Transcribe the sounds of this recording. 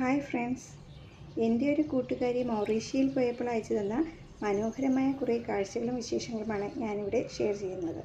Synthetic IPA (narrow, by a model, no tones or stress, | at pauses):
haːjfreɳɖs | endjo̞ɾukuːʈːuɣaːɾimɐwriːʂijilpo̞ːjepːɐɭaːjit͡ɕːɐðenːɐ | mɐno̞ːhɐɾɐmaːjɐkurɐjkaːɻt͡ɕːɐɣɐɭumʋiɕe̞ːʂɐŋːɐɭumaːɳɨɲaːniʋiɽe̞ʂe̞ːrt͡ɕe̞jːunːɐðɨ̰